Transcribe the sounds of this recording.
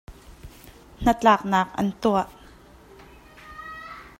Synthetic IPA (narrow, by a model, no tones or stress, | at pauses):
n̥ət͡ɬaːk̚naːk̚ʔɐ̰nt̪uaʔ